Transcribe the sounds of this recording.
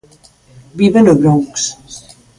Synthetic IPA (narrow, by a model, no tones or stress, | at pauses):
biβenoβɾoŋks